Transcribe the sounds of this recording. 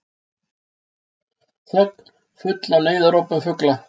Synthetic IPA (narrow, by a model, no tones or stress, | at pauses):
θœk | fʏt̪laneːjðaɾowpʏmfʏkla